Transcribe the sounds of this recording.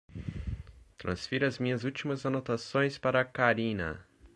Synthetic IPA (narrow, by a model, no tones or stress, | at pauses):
t̪ɾɐ̰̃sfiɾɐzmĩɲɐzut͡ʃimɐzanot̪asõj̃spaɾɐːkaɾĩnɐ̰